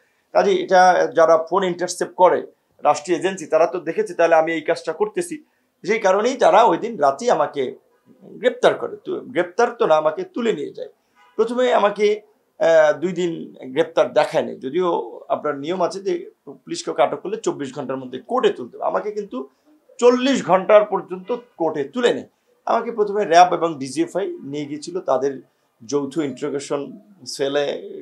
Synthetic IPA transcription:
kad͡ʑiḛʈad͡ʑaɾafoniɳʈaɾsep̚kɔɾe | ɾʔaʃʈɾied͡ʑensit̪aɾat̪od̪ekʰet͡ɕʰit̪aɦoleamiejkat͡ɕʈakoɾt̪et͡ɕʰi | ʃejkaɾonejt̪aɾaojd̪inɾat̪iamake | ɡɾep̚t̪aɾko̰ɾet̪ɡɾep̚t̪aɾt̪onaamaket̪ulenijḛd͡ʑa̰j | pɾot̪ʰomeamake | d̪ujd̪inɡɾep̚t̪aɾd̪ɛkʰaenḛjd͡ʑod̪ioa̰pnaɾnijomat͡ɕʰed͡ʑepliʃkewkeaʈokːolːet͡ɕobːiʃɡʱɔɳʈaɾmod̪ʱːekoʈet̪ult̪ebḛa̰makekint̪u | t͡ɕolːiʃ̬ɡʱɔɳʈaɾpɔɾd͡ʑont̪okoʈet̪ulenḛj | a̰makepɾot̪ʰomeɾɛbeboŋɖid͡ʑiefajnijeɡiet͡ɕʰilot̪ad̪eɾ | d͡ʑowt̪ʰoiɳɾoɡeʃon | sele

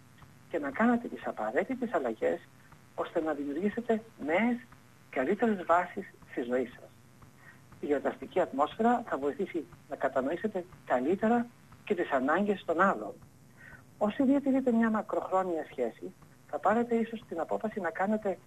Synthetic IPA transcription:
ce̞nɐkɐne̞t̪e̞t̪isɐpɐɾe̞t̪it̪esɐlɐʝe̞s | o̞st̪e̞nɐðimiuɾʝise̞t̪e̞ne̞ːs | kɐlit̪e̞ɾe̞zvɐsisːt̪izo̞isɐ̥s | ioɾt̪ɐst̪iciɐt̪mo̞sfe̞ɾɐθɐvo̞iθisinɐkɐt̪ɐno̞ise̞t̪e̞kɐlit̪e̞ɾɐ | ce̞t̪isɐnɐɲɟe̞st̪o̞nɐlo̞̰n | o̞siðiɐt̪iɾit̪e̞mɲɐmɐkɾo̞xɾo̞niɐsçe̞si | θɐpɐɾe̞t̪e̞iso̞st̪inɐpo̞fɐsinɐkɐne̞t̪e̞

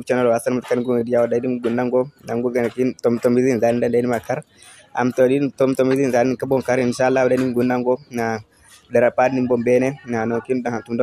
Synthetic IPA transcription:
t͡ʃanalɔasanmatkaniɡuɡdijawɔdadimɡunːaŋɡɔnaŋɡuɡanakintɔmtɔmizinzadindandanimakaɾ | a̰mtɔditɔmtɔmizinzanikabɔŋkaɾinʃalːawdaimɡunːaŋɡɔna | dɛɾapadnimbɔmbɛnɛnanɔkindhantumdɔ

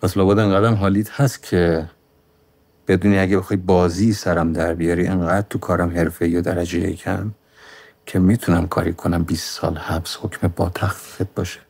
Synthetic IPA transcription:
pʰæslɒːbɒːd̪eŋɡæːd̪æmɦɒːliːt̪hæst̪̚cʲʰe | b̥e̞d̪uːniæɟebexɒːjbɒːziːsæɾæmd̪æɾbijɒːɾiʔeŋɡæːd̪̥̚t̪ʰukʰɒːɾæmhe̞ɾfeijod̪æɾæd͡ʒejḛcʰæm | cʰemiːt̪ʰunæmkʰɒ̰ːɾikʰonæmbiːsːɒ̰ːlhæbshocʰmebɒːt̪ʰæxfifet̪̚bɒːʃe̥

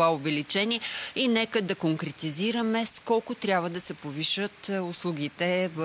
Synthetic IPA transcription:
vaovɛlit͡ʃɛnʲiɛinɛkəd̪ɐkoŋkɾɛt̪iziɾəmɛskɔlˠkʊt̪ɾʲabvəd̪ɐsɛpoviʃət̪ʊslˠuɡ̟ʲit̪ɛv

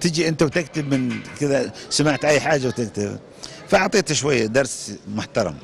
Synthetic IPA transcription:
t̪ɪd͡ʒiʔɪnt̪awt̪ɪk̚t̪ɪbmɪnkɪðasamaʕt̪ʔajːħaːd͡ʒːawt̪ɪk̚t̪ɪb | faʔʊʕt̪ˤiːt̪ʃwajːad̪ɑɾˤsmʊħt̪ɑɾˤɑ̰m

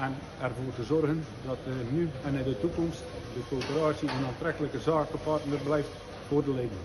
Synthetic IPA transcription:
ɛn | ɛrvoːrtəzɔrɣən | dɔtənyɛnɛdətukɔmstdəkoːpəɾaːsjəənaːntrɛkələkəzaːkəpartnəblɛjft | foːrdəleːdən

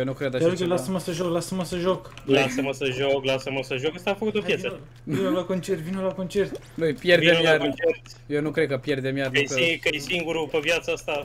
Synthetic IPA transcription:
jenukɾed̪aɾokelasəməsəʒoklasəməsəʒoklasəməsəʒoklasəməsəʒokast̪aːfəkut̪opjesə | nolakont͡ʃe̞rt̪vinolako̞nt͡ʃe̞rt̪ | nujpjerdvemjart͡ʃert̪ | jewnukɾekəpje̞rd̪emjarikəesiŋɡuɾupevjat̪səast̪a

